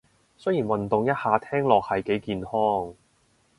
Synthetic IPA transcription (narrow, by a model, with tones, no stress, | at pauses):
sjiː˨˩nwɐ˨nt̪ʊ˨ŋjɐ˥t̚haː˨˧t̪ʰɛː˥ŋlɔː˨k̚hɐ˨jke˨˥jkiː˨nhɔː˥ŋ